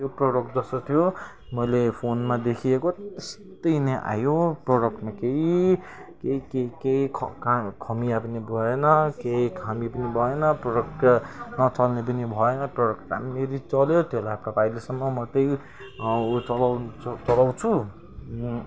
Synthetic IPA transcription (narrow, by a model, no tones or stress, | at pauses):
joproɽokd͡zʌsʌt̪ʰjo | mʌjlepʰonmad̪ekʰiekot̪est̪ʌjnʌʔa̰joproɽʌkmakei | keikekeikʰkkʰʌmijapʌnibʱʌenʌkeikʰamipʌnibʱʌenʌproɽʌkʈnʌt͡sʌlnep̬ʌnibʱʌenʌproɽʌka̰mːeɾit͡sʌljot̪eɦlajɦapkapajlesʌmːʌmʌt̪ʌj | t͡sʌlawʌt͡sʌlaw̃t͡sʰu